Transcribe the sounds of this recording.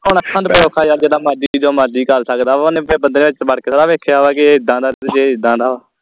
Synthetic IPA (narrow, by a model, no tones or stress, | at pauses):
ʊɳəkʰãːd̪pəjoːkʰaːjaːd͡ʒeːɽaːmaːɖiːd͡ʒoːmaːɖiːkəɾsəkd̪aːonẽːbənd̪ɾẽːʋɪt͡ʃbəɽkeːsaːɾaːʋeːkʰːjaːʋaːkiːɪd̪ːãːd̪aːɾeːɾd͡ʒeːɪd̪ːãːd̪aːʋaː